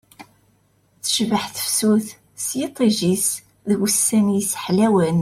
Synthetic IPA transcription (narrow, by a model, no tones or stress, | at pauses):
θə̥ʃvəħθə̥fsuθ | sjet̪ˤːiʒis | ðwəsːæmjisħlæwən